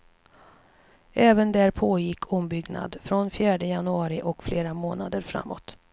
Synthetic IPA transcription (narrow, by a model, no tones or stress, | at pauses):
ʔɛːvənd̪æɾpʰoːjɪkʰːɔmbʏɡna̰d̪fɾɔnfjæːɖəjanɵɑːɾɪʔɔkfleːɾamoːnad̪əɾfɾa̰mːɔ̰t̪